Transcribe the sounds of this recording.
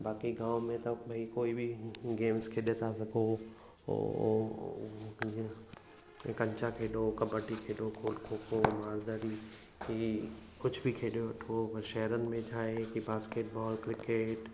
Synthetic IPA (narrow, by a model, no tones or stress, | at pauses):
baːkiɡãːwmẽt̪ɐbʱɐikoːibʱɪɡeːmskʰeːɗet̪ʰasɐɡʱo̰ | kɐ̃ɲt͡ʃakʰeːɗoːkɐbəʈikʰeːɗokʰoːlkʰoːkʰomaːɾd̪aːɾi | ikʊd͡ʒʱbʱikʰeːɗijoɐʈʰoʋɐʃɛɦɾənɪ̆mẽd͡ʒʰʱaːekibaːskeːʈ̚bɔːlkɾɪkeːʈ